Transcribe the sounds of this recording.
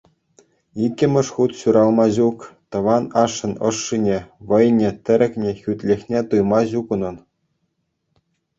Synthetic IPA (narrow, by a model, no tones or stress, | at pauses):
ikʲːɘ̆mʲɘ̆ʂχut̪ɕuɾɑlˠmɑʑukt̪ɤ̆ʋɑnɑʂːɤ̆nɤ̰̆ʂːinʲeʋɤ̆jnʲĕt̪ʲɘ̆ɾʲɘ̆kʲnʲĕxʲyt̪ʲlʲexʲnʲet̪ujmɑʑukɤ̆nɤ̆n